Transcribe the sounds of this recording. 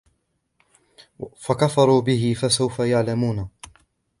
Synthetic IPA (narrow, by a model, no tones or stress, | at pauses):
fakafɑɾˤuːbɪɦɪfasawfajaʕlamuːna